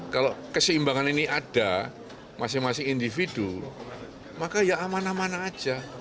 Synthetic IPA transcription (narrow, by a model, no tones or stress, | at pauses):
kalokəsəimbaŋaniniʔad̥a | masɪŋmasɪŋindifid̥u | makajaːmanamanḁːd͡ʒ̥a